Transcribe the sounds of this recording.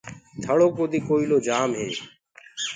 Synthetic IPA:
t̪ʰəɭoːkoːd̪iːkoːiːloːd͡ʒaːmɦḛː

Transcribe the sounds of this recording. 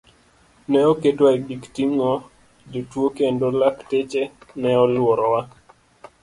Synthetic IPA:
nɛɔkedwaiɡiktimŋɔ | d͡ʒotwokendolaktet͡ʃenɛɔlwɔɾɔwa

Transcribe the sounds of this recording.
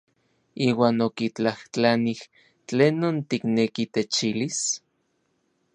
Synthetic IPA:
iːwaːnokit͡ɬaht͡ɬanih | t͡ɬeːnːont̪iknekit̪et͡ʃilis

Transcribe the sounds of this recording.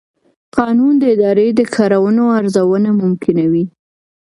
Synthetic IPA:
qɑnund̪əɪd̪ɑɾed̪əkʰɑɾawənoaɾzawənamʊmkʰɪnawi

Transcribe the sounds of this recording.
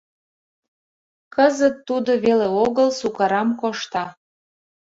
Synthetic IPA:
kəzət̪ːud̪oβeleoɣəlsukɑɾɑmkoʃt̪ɑ

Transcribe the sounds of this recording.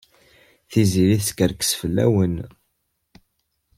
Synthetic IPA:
θiziɾiθkəɾkə̥sfəlːæ̰wən

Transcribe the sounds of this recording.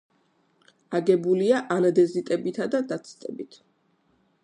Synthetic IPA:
aɡɛbuliaʔanad̪ɛzit̪ʼɛbit̪ʰad̪ad̪at̪sʰt̪ʼɛbit̪ʰ

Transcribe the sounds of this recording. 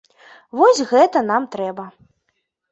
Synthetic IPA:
vɔsʲɣɛt̪ɐnamt̪ɾɛbɐ

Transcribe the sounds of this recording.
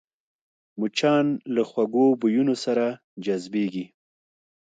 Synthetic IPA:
mut͡ʃɑnlaxwaɡobujunosaɾa | d͡ʒazbeɡi

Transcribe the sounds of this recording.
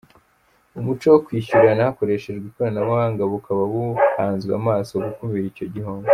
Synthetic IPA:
umut͡ʃowokwiːçuɾanahako̞ɾe̞ʃe̞ʒɡwikoɾanawaaŋɡaβukʰaβaβuhaːnzɡa̰maːsoɡukumiɾico̞ɟihoŋɡo

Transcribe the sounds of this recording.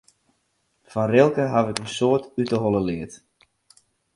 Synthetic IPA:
fɔnrɪlˠkəɦavɪkənsoətytəɦolˠəlɪət

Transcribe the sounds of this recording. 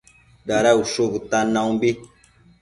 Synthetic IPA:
daɾauʃobut̪anãũbi

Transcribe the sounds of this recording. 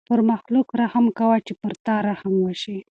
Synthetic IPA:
pəɾmaxlukɾahamkawat͡ʃepəɾt̪ɑɾahamwəʃi

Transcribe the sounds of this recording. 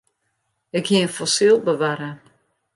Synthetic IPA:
ɪkhiəənfɔsilˠbəʋaɾə

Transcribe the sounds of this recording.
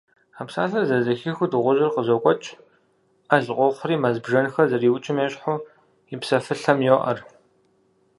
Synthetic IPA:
apsaːɬɐrzɐzɐxixʷʊdɨʁʷʊʒɪrqəzokʷʼɔt͡ʃʼ | ɐɮqʷɔχʷʊriːmɐzbʒɐnxɐrzɐriːwt͡ʃʼɪmeːɕʼħʊː | ipsɐfɨɬɐmjoʔɐ̰r

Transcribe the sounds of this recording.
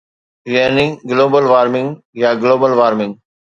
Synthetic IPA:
ɾɪəːnɪ̃ŋɡloːbəlʋaːɾmɪ̃ŋɡ | jaːɡloːbəlʋaːɾmɪ̃ŋ

